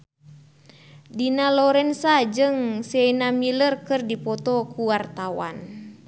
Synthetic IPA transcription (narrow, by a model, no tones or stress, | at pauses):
dinalɔɾɛnsad͡ʒɨŋsɛnamilərkɨrdipɔt̪ɔkuwart̪awa̰n